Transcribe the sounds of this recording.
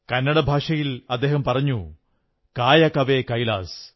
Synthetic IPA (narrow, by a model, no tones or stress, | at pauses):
kɐnːɐɽɐbʱaːʂɐjilɐd̪ːe̞ːɦɐmpɐrɐɲːu | kaːjɐkɐʋeːkɐjlaːs